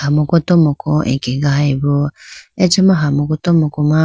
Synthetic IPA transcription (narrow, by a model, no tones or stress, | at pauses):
hamukutomokoḛkiɡahaiβoet͡ʃimaɦamukutomukuma